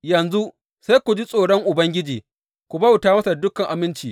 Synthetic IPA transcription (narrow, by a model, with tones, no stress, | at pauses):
jɐ˨nzu˦ʔ | sa˦jkʷu˨d͡ʒi˦sʼoː˨ɽɔ˦ŋʔʊ˨bɐ˦ŋɡʲɪ˦d͡ʒiː˨ | kʷu˨bɐ˦wtaː˦mɐ˦sa˨dʊ˦kɐ˨ŋʔa˨mɪ˦nt͡ʃiː˨